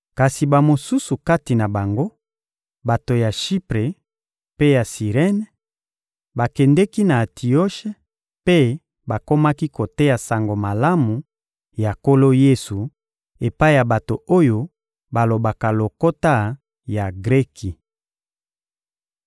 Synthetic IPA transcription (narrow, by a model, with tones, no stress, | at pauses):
ka˨si˨ba˨mo˨su˦su˨ka˦ti˨na˨ba˨ŋɡo˦ | ba˨to˨ja˨ʃi˦pʁe˨ | pe˦ja˨si˨ʁɛ˦n˨ | ba˨kɛ˨ndɛ˦ki˦na˨tʰi˨o˦ʃe˦ | pe˦ | ba˨ko˦ma˦ki˦ko˨te˦ja˨sa˨ŋɡo˨ma˨la˦mu˨ | ja˨ko˦lo˦je˦su˨ | e˨pa˦i˦ja˨ba˨to˨o˦jo˦ | ba˨lo˨ba˨ka˨lo˨ko˦ta˦ | ja˨ɡʁɛ˦ki˨